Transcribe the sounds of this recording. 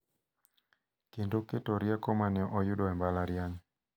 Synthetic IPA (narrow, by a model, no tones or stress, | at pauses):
kendoketɔɾjakɔmanɛʔɔjuɗɔɛmbalaɾjaɲ